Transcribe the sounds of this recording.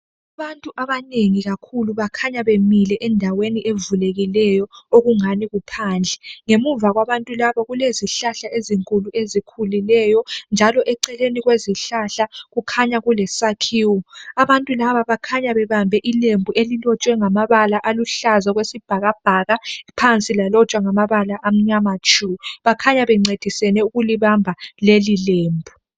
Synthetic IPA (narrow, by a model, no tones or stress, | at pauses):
aβantʼuʔaβaneŋiɣakʰuluβakʰaɲaβemilɛʔɛndʱaweniʔevuleɣilɛjɔoɣuŋaniɣupʰaːnd͡ɮʱɛŋemuvaɣwaβantʼulaβɔɣuleziɬaɬaʔeziŋkʼuluʔezikʰulilɛjɔnd͡ʒʱalɔʔɛǀɛleniɣweziɬaɬaɣukʰaɲaɣulɛsakʰiːwɔaβantʼulaβaβakʰaɲaβɛβambʱɛʔilembʱuʔelilɔt͡ʃʼwɛŋamaβalaʔaluɬazaɣwesib̥ʱaɣab̥ʱaɣapʰant͡sʼilalɔt͡ʃʼwaŋamaβalaʔam̩ɲamat͡ʃʰʼuβakʰaɲaβɛŋ͡ǀed̥ʱisɛnɛuɣuliβambʱalelileːmbʱu